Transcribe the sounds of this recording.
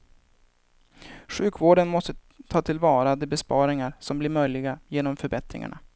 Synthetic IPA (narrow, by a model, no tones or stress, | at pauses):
ɧʉ̟ːkvoːɖənmɔst̪ə | t̪ʰɑːt̪ʰɪlvɑːɾad̪ɛbɛspɑːɾɪŋaɾsɔmblɪɾmœjlɪɡajeːnɔmfœɾbɛt̪ɾɪ̰ŋa̰ɳa̰